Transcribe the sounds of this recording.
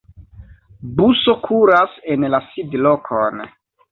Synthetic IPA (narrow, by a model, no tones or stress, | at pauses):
buso̞kʰuɾase̞nlasidlo̞kʰon